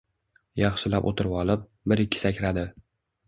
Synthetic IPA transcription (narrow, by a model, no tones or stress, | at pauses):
jɑχʃɪlapo̰t̪ʰɪɾbɒlˠɪp̚ | bɪɾɪkʲʰːɪ̥sakʲɾad̪ɪ